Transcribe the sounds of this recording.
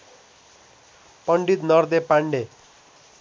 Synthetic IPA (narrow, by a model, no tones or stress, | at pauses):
pʌɳɖit̪nʌrd̪epaɳɖe